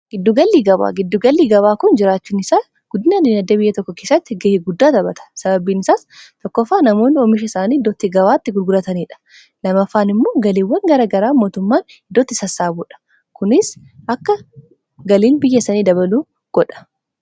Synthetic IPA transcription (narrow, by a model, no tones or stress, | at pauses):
ɡ̥ɪd̪ːʊɡɐlːiːɡɐba̰ːɡɪd̪ːʊɡɐlːiːɡɐbaːkʊnd͡ʒɪɾaːt͡ʃːuːnɪsaː | ɡ̥ʊd̪ːɪnaniːnɐd̪ːɐbɪjːɐt̪ɔkːɔke̞ːsɐt̪ːɪɡehɪɡʊd̪ːaːt̪ɐbɐt̪ʰɐ̥sɐbɐbiːnɪsaːst̪ɔkːɔfːaːnɐmo̞ːnːɪɔmɪʃ̬ɐɪsaːniːd̪ːɔt̪ːɪɡɐβaːt̪ːɪɡʊlɡʊlɐt̪ɐniːᶑɐ̥ | lɐmɐfːaːnɪmːo̞ːɡɐliːwːɐŋɡɐɾaːɡɐɾaːmo̞ːt̪ʊmːaːn | ɪd̪ːɔt̪ːɪsɐsːaːbuːᶑɐ̥ | kʊnɪs | ɐkːɐ | ɡɐliːnbɪjːɐsɐniːd̪ɐbɐluː | ɡ̥ɔᶑɐ̥